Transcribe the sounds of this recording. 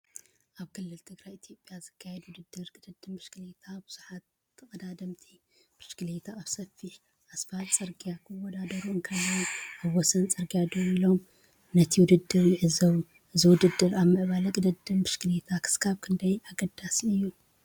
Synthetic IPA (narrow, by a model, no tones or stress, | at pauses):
ʔaβkʰɨlːɨlt̪ʰɨɡɾajit̪ʰijo̞pʼjazɨkʰːajɛd̪wʊd̪ɨd̪ːɨɾkʼɨd̪ɐd̪ɨmbɨʃkɨlet̪ʰabɨz̥uħat̪ | t̪ʰːɨχʼɐd̪ad̪ɐmt̪ʰi | b̥ɨʃkɨlet̪ʰaːβsɐfiħ | ʔasfat̪ʼsʼɐɾɡijakʰɨwɔd̪ad̪ɐɾuɨŋkʰajuʔaβwɔsɐnt͡sʼɐɾɡijad̪oɾilo̞m | nɐt̪ʰiwʊd̪ɨd̪ːɨɾjɪʕɨzɐβu | ʔɨziwʊd̪ɨd̪ːɨɾaβmɨʔβalɐkʼɨd̪ɐd̪ɨmbɨʃkɨlet̪ʰakʰɨ̥skʰaβkʰɨnd̪ɐjaɡɐd̪ːasiɨjːu